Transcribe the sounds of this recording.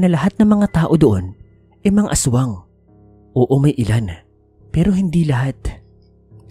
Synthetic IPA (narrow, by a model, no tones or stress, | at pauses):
nɐlɐɦat̪̚nɐŋmɐŋat̪aːʔo̞d̪oʔo̞n | ʔɛjmɐŋa̰ʔɐswɐŋ | ʔoːʔomɐjʔɪlan | pɛːɾo̞ɦɪnd̪ilɐɦat̪̚